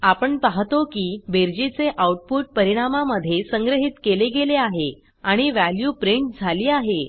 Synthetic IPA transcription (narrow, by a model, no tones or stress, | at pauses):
apəɳpaɦt̪okiːbeɾd͡ʑit͡seʔauʈ̚puʈ̚pəɾiɽ̃amaməd̪ʱːjesəŋɡɾəɦit̪keleɡeleaɦe | aɽ̃iʋæljuːpɾiɳʈ̚d͡zʱaliːaɦe